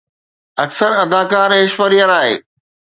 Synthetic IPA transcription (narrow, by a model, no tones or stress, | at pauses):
ɐksəɾɐd̪aːkaːɾeːʃfəɾijəɾaːɦḛː